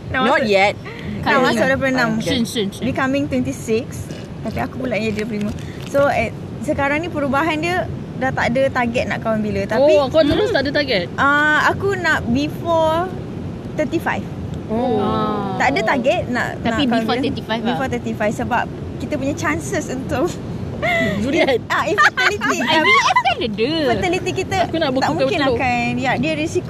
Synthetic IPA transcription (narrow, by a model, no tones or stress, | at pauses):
nnɔjɛt̪̚ | kasadap̬əənãmbikamɪ̃ŋt̪wɛnt̪isɪks | t̪apiakupulaʔind͡ʒadiləpɾimə̃ | soɛ | səkaɾaŋnĩpəɾubaɦandiə | dat̪aʔdət̪aɡɛt̪̚na̰ʔkawnbilət̪aikkat̪əɾʊsadət̪aɡɛt̪̚ʔəakunaʔ̚bifɔ | t̪ət̪ifa̰jf | o | t̪aʔadət̪aɡɛt̪̚nã̰ʔ̪anãkafɔifabifɔt̪ət̪ifajfsəbap̚ | kit̪əpuɲat͡ʃansəsunt̪ʊk | d͡ʒuɾat̪̚aiat̪əlit̪iaədəfət̪əlit̪ikit̪əkunabuk̪t̪amũŋakɪnakanjadiəɾisik